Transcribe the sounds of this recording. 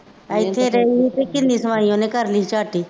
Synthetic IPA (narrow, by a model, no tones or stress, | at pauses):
ɐjt̪ʰeɾeiit̪ekɪnːismaːjõːnekɐɾlit͡ʃaːʈiː